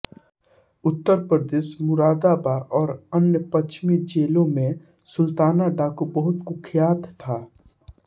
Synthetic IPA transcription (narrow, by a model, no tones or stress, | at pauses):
ʊt̪ːəɾpɾəd̪eːʃmʊɾaːd̪abaːɾɔːɾənjəpət͡ʃmid͡ʒeːlõmẽ | sʊlt̪aːnaɖaːkobəɦʊt̪kʊkʰjaːt̪t̪ʰaː